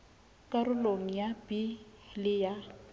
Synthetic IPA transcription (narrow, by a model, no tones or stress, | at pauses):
kʼaɾʊloŋ̩jabilɪja